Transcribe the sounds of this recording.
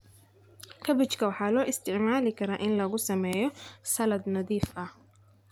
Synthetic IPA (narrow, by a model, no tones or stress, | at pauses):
kʰɐbɪt͡ʃkʰɐwɑħɑːlɔːʔɪst̪ʰɪʕmaːlɪkʰɐɾaːʔɪnlɐɣʊsɐmɛːjɔsɐlɐd̪nɐðiːfʔɐh